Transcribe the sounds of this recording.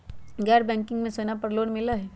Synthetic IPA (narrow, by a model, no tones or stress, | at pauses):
ɡɛːɾbɛ̃ːŋkɪ̃ŋɡmẽsonapɐɾloːɽmɪlaɦɛ